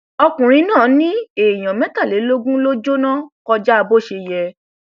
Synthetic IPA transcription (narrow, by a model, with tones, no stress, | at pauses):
ɔ˧kũ˨ɾ̃ĩ˧nãː˦˨˦nĩ˦e˨j̃ã˨mɛ̃˨˦ta˦˨le˨˦lo˦ɡũ˦lo˦d͡ʒo˦nã˦kɔ˧d͡ʒa˦a˧bo˦˨ʃe˧jɛ˧